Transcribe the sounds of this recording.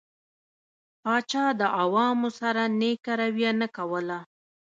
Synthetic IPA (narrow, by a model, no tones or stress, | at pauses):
pɑt͡ʃɑd̪əʔawɑmosaɾanekaɾawjanakawəla